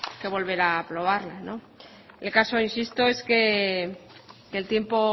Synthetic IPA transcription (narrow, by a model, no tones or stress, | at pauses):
ke̞β̞o̞lβ̞e̞ɾaːpɾo̞β̞aɾlanõ̞ | elkaso̞insist̪o̞e̞ske̞ | ke̞lt̪je̞mpo̞